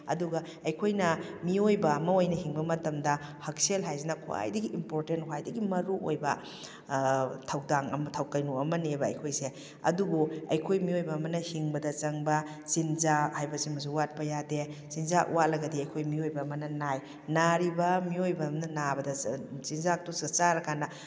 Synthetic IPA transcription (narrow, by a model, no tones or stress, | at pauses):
ɐ̰duɡɐ | ɐjkʰojnɐmiojbɐːmɐojnɐhiŋbɐmɐtɐmdɐhɐk̚selɦajzinɐkʰua̰jdɐɡiʔimpoɾtenthwajdɐɡimɐɾuʔojbɐ | tʰɐwdaŋɐ̰mɐtʰɐwkɐjnuɐmɐnebɐɐ̰jkʰojse | ɐ̰dubuɐ̰jkʰojmiojbɐːmɐnɐhiŋbɐdɐt͡ʃɐŋbɐ | zinzahajbɐsimɐzuwat̚pɐjadezinzaʔwalɐɡɐdiɐjkʰojmiojbɐːmɐnɐnaj | naɾibɐmiojbɐːmɐnɐnabɐdɐzinzak̚tusɐt͡ʃaɾɐkanːɐ